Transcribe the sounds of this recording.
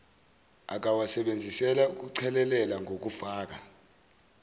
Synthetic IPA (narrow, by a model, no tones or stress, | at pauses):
a̰k̬awasɛɓend͡zʱisɛlauk̬uǀʰɛlɛlɛlaŋʱok̬ufaːk̬a